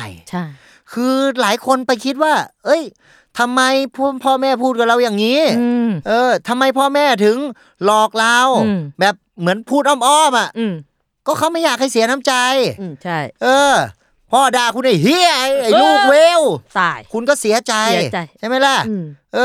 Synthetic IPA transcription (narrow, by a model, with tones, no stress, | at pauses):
jʰ | kʰɯː˧laː˨˩˦jkʰo˧npa˧jkʰi˦˥t̪̚waː˥˩ʔɤ˦˥˩j | t̪ʰa˧mːa˧jpʰpʰɔː˥˩mɛː˥˩pʰuː˥˩t̪̚ka˨˩ɾa˧wjaː˨˩ŋːiː˦˥ʔɤː˧t̪ʰa˧mːa˧jpʰɔː˥˩mɛː˥˩t̪ʰɯ˨˩˦ŋ | lɔː˨˩k̚laː˧wbɛː˨˩p̚mɯ˩˦ənpʰuː˥˩t̪̚ʔɔː˧˥˩m̚ʔɔː˥˩mʔa˨˩ʔ | kɔː˥˩kʰa˦˥wma˥˩jaː˨˩k̚ha˥˩jsi˩˦ɐna˦˥mt͡ɕa˧j | ʔɤː˧ | pʰɔː˥˩daː˧˩kʰu˧nʔa˨˧˩jɦi˧˥˩ə˧jʔa˧˩juː˧˥˩weː˧˥wkʰu˧nkɔː˥˩si˨˩˦ɐt͡ɕa˧jt͡ɕʰa˥˩jma˥˩jla˧˥˩ʔʔɤː˧